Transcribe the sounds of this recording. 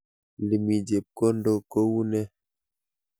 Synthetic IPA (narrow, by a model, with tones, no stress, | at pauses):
li˨mi˨d͡ʒe˨p̚ko˦n˦do˦ko˦wu˦nɛ˦